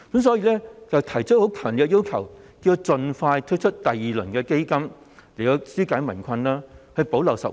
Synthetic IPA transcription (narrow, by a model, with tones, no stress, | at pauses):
kɐ˨˥msɔː˨˥jiː˧lɛː˥t͡sɐ˨wt̪ʰɐ˨˩jt͡ʃʰɵ˥t̚ho˨˥wkʰœː˨˩ŋnli˨˧kːɛ˧ji˥wkʰɐ˨˩wkiː˧t͡sɵ˧nfaː˧jt̪ʰt̚t͡ʃʰɵ˥t̚t̪ɐ˨jːiː˨˩lɵ˨˩nkɛː˧ke˥jkɐ˥m | le˨˩t̪ɔ˧syː˥kaː˨˥jmɐ˨˩nkʷʰɐ˧nlaː˥hɵ˧ɥpo˨˥wlɐ˨˩wsɐ˨p̚